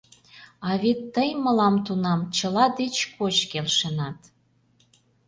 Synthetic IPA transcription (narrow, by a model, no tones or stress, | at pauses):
ɑβet̪ːəjməlɑmt̪unɑmt͡ɕəlɑd̪et͡ɕkot͡ɕkelʃenɑt̪